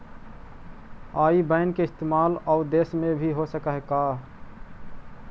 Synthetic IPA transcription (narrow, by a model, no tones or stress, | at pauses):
aːibəɪnkeɪst̪eːmaːlɔʊd̪eːsmẽbʱiɦosəkəɦka